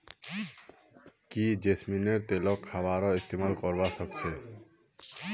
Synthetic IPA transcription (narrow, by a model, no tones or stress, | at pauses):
kid͡ʑesmineɾt̪elɔkʰːabaɾɔist̪emalkɔɾbasʰɔkt͡ɕʰe